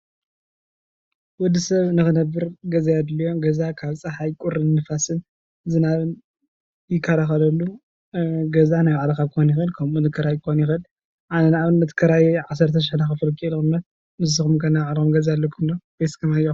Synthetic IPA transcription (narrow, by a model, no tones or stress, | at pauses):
wɔd̪isɐβnɨxɨnɐbɨɾɡɐzajad̪lijo̞ɡɐzakʰaβt͡sʼɨħajkʼʊɾɨnnɨfasɨn | zɨnaβɨn | jɪkʰːɐɾaxɐlɐlːu | ɡɐzanajwaʕlɐxakʰonjɪxɨlkʰɐmunɨkʰːɐɾajkʰonjɪxɨl | ʔanɐnaβɨnːɐt̪ʰɨ̥kʰɐɾajʕasːɐɾt̪ʰɐʃ̬ɪħnaxɨfɨlkʰʼilɨkʼɨmnɐt̪̚ | nɨzɨxumkʰɐnaaʕlxumɡɐzaalːɐkʰɨmlob̥eskʰɐmajo